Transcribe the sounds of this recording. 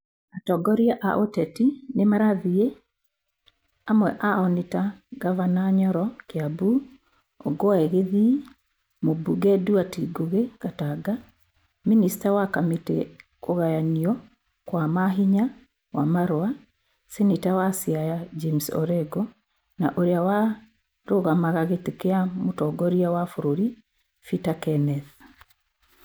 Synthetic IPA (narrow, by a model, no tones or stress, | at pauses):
atɔɡɔɾiaʔa̰ʔotɛtinemaɾaðie | amwɛ̰ʔaɔnetaɡavanaɲɔɾɔkeabu | ɔɡoaeɣeði | mobuɡɛduatiɡoɣekataɡa | ministawakametḛkoɣajaniɔ | kwamaɦiɲa | wamaɾoa | sinitawasiajad͡ʒemsɔ̰ɾɛɡɔ | naʔoɾeawa | ɾoɣamaɣaɣetekeamotɔɡɔɾiawafoɾoɾi | fitakɛnɛθ